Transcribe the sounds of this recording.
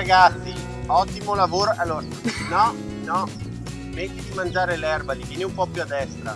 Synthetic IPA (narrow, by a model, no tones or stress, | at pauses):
aɡat̪sːi | ɔt̪ːimolavoːɾoʔalːoːɾanɔ | nɔ | met̪ːid̪imand͡ʒaːɾelɛrbalivjɛːneumpɔpjuad̪ːɛst̪ɾa